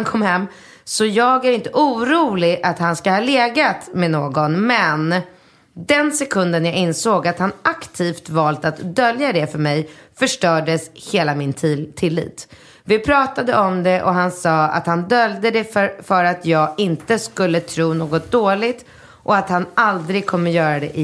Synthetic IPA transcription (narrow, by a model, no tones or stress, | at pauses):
ankʰɔmːhɛmː | sɔjɑːɡæɾɪnt̪əʔuːɾuːlɪɡʔat̪hanskahɑːleːɡat̪mɛnoːɡɔnmɛn | d̪ɛnsɛkʰɵnd̪ənjaɪnsoːɡat̪hanʔakt̪ʰiːft̪vɑːlt̪at̪d̪œljad̪ɛfœɾmɛjfœʂʈœːɖəsheːlamɪnt̪ʰɪlːḭːt̪ | vɪpʰɾɑːt̪ad̪əɔmd̪ɛʔɔɦansɑːa̰t̪hand̪œld̪əd̪ɛffœɾat̪ʰjɑːɡɪnt̪əskɵlːət̪ʰɾuːnoːɡɔt̪̚d̪oːɭɪt̪ | ʔɔat̪hanald̪ɾɪɡ̚kʰɔmːəjœːɾad̪ɛʔɪ